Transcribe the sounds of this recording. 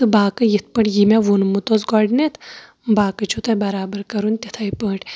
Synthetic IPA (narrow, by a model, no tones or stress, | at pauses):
t̪ɨbaːkɨjit̪̚ʰpəɳjimʲaʋunmut̪ot͡sɡɔɖnet̪ʰ | baːkɨt͡ʃʰut̪ajbɐɾaːbəɾkɐɾuːnt̪ʲet̪ʰajpəɦʈ